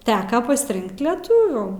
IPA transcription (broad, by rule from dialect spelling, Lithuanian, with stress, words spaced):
ˈtʲæːkɐ pɐsʲɪˈrʲɪŋkt lʲɛˈtʊʋʲuː